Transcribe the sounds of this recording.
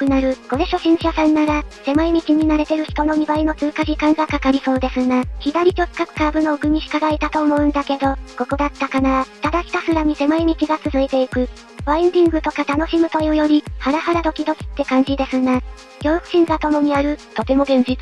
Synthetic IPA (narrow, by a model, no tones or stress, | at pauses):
kɯ̟naɾɯ̟ɡo̞ɾe̞ɕo̞ɕĩɰ̃ɕasãnːaɾase̞mɯimʲit͡ɕiɲ̟inaɾe̞t̪e̞ɾɯ̟çi̥t̪o̞no̞mʲibaino̞t͡sɨːkaʑikãŋɡakakaɾʲiso̞ːd̪e̞sɨŋaçid̪aɾʲit͡ɕo̞ɨ̥kakɯ̟̥kaːbɯ̟no̞ɯkɯ̟mʲiɕi̥kaɡaet̪at̪o̞ːmo̞ɯ̟̃nd̪ake̞d̪o̞ko̞ko̞d̪at̪ːakanat̪ad̪akʲi̥t̪asɨɾaɲ̟ise̞maimʲit͡ɕiɡat͡sɨzɨit̪e̞ikɯ̟ | ɸaĩnd̪ʲĩŋɡɯ̟t̪o̞kat̪ano̞ɕimɯ̟t̪o̞jɯ̟ːjo̞ɾʲihaɾahaɾad̪o̞kʲid̪o̞kʲi̥t̪ːe̞kãɲ̟d͡ʑid̪e̞sɨŋa | ɡʲo̞ːkɯ̟̥ɕĩŋɡat̪o̞mo̞ɲ̟iaɾɯ̟t̪o̞t̪e̞mo̞ɡẽ̞n̟d͡ʑit͡s